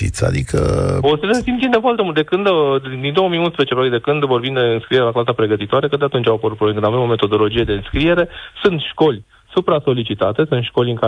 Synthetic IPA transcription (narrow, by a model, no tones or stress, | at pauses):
ḭt̪sa̰d̪ikʰə̰osesimind̪efoart̪emult̪d̪ekɨnd̪d̪d̪ind̪o̞wo̞mijunspɾezet͡ʃeɾoek̪t̪d̪e̞kɨnd̪vo̞rbimd̪eɨnskɾie̞ɾelaklasapɾe̞ɡət̪it̪oaɾe̞ket̪d̪eat̪unt͡ʃʲawapəɾut̪poekɨnavemome̞t̪o̞d̪o̞lo̞d͡ʒied̪e̞ɨnskɾie̞ɾe̞sɨnt̪ʃko̞lʲ | supɾaso̞lit͡ʃit̪at̪e̞sunt̪ʃko̞lʲɨŋka